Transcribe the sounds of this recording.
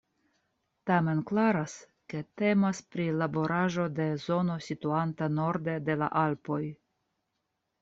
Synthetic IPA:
tame̞nklaɾas | ke̞te̞maspɾilabo̞ɾaʒo̞de̞zo̞no̞situantano̞ɾde̞de̞la̰ʔalpo̞j

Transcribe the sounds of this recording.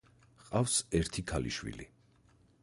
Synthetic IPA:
qʼafsɛɾt̪ʰikʰalḭʃwḭlḭ

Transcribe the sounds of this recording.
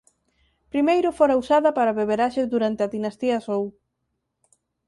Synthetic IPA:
pɾimejɾʊfoɾɐusaðɐpaɾɐβeβeɾaʃezðuɾant̪eɐðinast̪iɐsow

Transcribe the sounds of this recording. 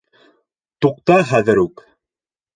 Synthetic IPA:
t̪uq̚t̪ɑχæðɘɾʉk

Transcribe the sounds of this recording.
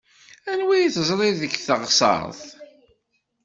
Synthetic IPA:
ænwijθzˤlˤiðəçθəʁsˤɑ̰ɾˤθ

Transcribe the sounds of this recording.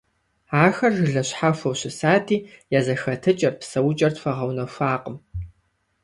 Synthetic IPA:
aːxɐrʒɨɮɐɕħafɐwɕɪsaːtʰiːjɛzɐxɐtʰɨt͡ʃʼɐrpsɐwt͡ʃʼɐrtfɐʁɐwnɐfʷaːqʼəm

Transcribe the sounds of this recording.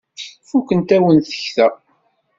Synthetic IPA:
fukənt̪æwənθə̥çθæ

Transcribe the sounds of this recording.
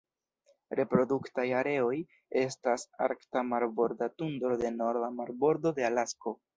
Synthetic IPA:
ɾe̞pɾo̞duktajaɾe̞o̞j | e̞stasa̰ɾktamaɾbo̞ɾdatundɾo̞de̞noɾvamaɾbo̞ɾdo̞de̞alasko̞

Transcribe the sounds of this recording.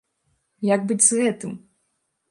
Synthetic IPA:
jaɡ̚bɨd͡zʲzɣɛt̪ɨm

